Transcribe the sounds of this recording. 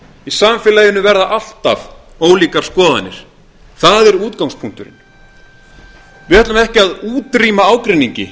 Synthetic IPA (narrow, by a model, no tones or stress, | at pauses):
isaːmfɪlajɪnːʏvɛɾðaʔal̥t̪av | oːwliːkaɾ̥skɔːðanɪ̰ɾ̥ | θaðɛɾuːt̪kawŋspʰuŋ̥t̪ʏɾɪ̰n | vɪɛt̪lamɛhcɪaðuːt̪ɾiːmaaːwkɾɪnːiɲcɪ